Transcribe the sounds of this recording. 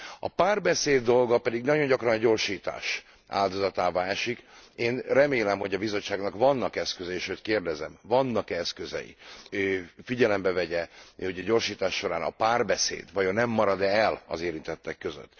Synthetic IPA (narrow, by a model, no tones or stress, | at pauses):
ɒ̰paːrbɛseːd̪ːo̞lɡɒpɛd̪iɡnɒɟo̞ɲɟɒkrɒnɒɟo̞ːrʃiːt̪a̰ːʃ | a̰ːld̪o̞zɒt̪aːvaːɛʃikeːnrɛmeːlɛmho̞ɟɒbizo̞t͡ʃːaːɡnɒkvɒnːɒkɛskøzɛeːʃøːt̪keːrd̪ɛzɛmvɒnːɒkɛskøzɛ̰jḭøːfiɟɛlɛmbɛvɛɟɛoɟɒɟo̞rʃiːt̪aːʃːo̞ɾaːnɒ̰paːrbɛsḛːd̪vɒjonɛmːɒɾɒd̪ɛːlɒ̰zeːɾint̪ɛt̪ːɛkːøzø̰t̪ː